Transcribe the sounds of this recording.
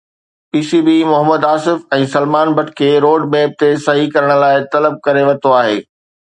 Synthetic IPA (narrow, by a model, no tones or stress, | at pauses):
piːsibimʊɦəmːəd̪aːsɪfɛ̃ːsɐlmaːnbɐʈʰkʰeːɾoːɖmeːb̚t̪esɐɦikɐɾəɽ̃̆laːɪt̪ɐləb̚kɐɾeʋɐt̪oaːɦḛː